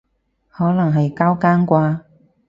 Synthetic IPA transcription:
hɔː˨˥lɐ˨˩ŋɦɐ˨jkaː˥wkaː˥nkʷaː˧

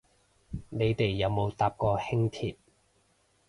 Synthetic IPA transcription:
ne˨˧jt̪e˨jːɐ˨˧wmo˨˧wt̪aː˨p̚kɔː˧hɪ˥ŋt̪ʰiː˨t̚

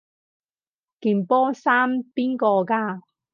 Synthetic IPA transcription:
kiː˨˩npɔː˥saː˥mpiː˥nkɔː˧kaː˧

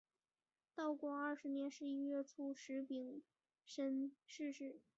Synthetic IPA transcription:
t̪ɑ˥˧ʊkwɔ˥˧ɐ˞˥˩ʂɻ̩˧˥njɛ˧˥nʂɻ̩˥˧i˥ɥɛ˥˩t͡sʰu˥˩ʂɻ̩˧˥pi˨˩ŋ | ʂə˥nʂɻ̩˥˧ʂɻ̩˥˩

